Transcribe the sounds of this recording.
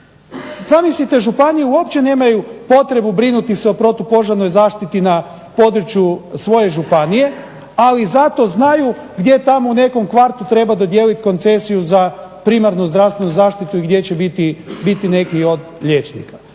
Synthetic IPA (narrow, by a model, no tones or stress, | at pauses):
zamislit̪e̞ʒupanijeuopt͡ɕe̞ne̞ːmajupo̞t̪ɾe̞bubɾinut̪iseo̞pɾo̞t̪upo̞ʒaɾno̞jzaːʃt̪it̪ina | po̞d̪ɾut͡ɕjusʋo̞je̞ʒupanije̞ | alizat̪o̞znaju | ɡd̪je̞t̪amo̞une̞ko̞mkʋaɾt̪ut̪ɾe̞bad̪o̞d̪je̞ːlit̪ko̞nt̪se̞sijuzapɾimaɾnuzd̪ɾast̪ʋe̞nuzaːʃt̪it̪uiɡd̪je̞t͡ɕebit̪ibit̪ine̞kio̞d̪ʎe̞t͡ʃnḭkḁ